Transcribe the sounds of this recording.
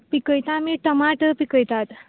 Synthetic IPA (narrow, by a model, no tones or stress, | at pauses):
pikəjt̪amiʈəmaʈpikəjt̪at̪